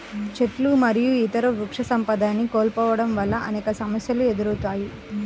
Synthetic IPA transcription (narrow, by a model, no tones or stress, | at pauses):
t͡ʃeʈlumɐɾijuit̪ɐɾɐɾukʂɐsɐmpɐd̪aːnːikoːlpɔːʋɐɽɐmʋɐlːɐʔɐnɛːkɐsɐmɐsjɐlue̞d̪uɾut̪aːji